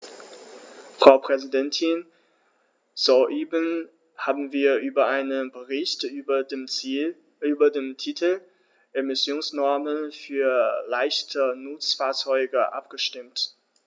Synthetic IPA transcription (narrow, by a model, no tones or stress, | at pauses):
fʁ̥aʊpʁ̥ɛzidɛntʰɪn | z̥oʔeːbən | haːbm̩viːɐʔyːbɐʔaɪnənbəʁɪçt | yːbɐdeːmtʰitʰl̩ | ʔemɪsjoːnsnɔɐmənfyːɐlaɪçtʰənʊt͡sfaːɐt͡sɔʏɡəʔa̰pɡ̥əʃtɪmt